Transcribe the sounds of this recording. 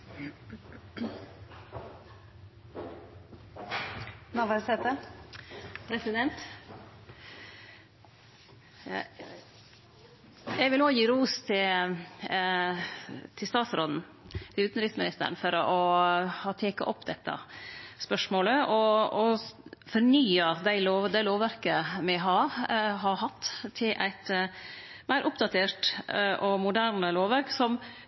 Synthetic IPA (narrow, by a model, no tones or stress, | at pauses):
ʋɑʋɑɾsɛt̪ə | pʰɾɛsɪd̪ɛnt̪ | jæɪʋɪlnoːjiːɾuːst̪ʰɪl | t̪ʰɪst̪ɑːt̪sɾoːd̪n̩ | t̪ʰɪʉːt̪n̩ɾɪsmɪnɪst̪ə̰ɾəɳn̩fɔɾɔʔɔhɑːt̪ʰeːkɑ̰ʔɔpːd̪ɛt̪ːə̰spœʂmoːləʔɔɔfɔɾɳyːəd̪æɪloːʋd̪æɪloːʋʋæɾkəmɪɦɑːɦɑɾhɑt̪ːt̪ʰːɪlʔæ̰ɪt̪ | mæɪɾʔʊpd̪ɑt̪ʰeːɾʈʔɔmʊd̪æːɾɳəloːʋʋæɾksɔm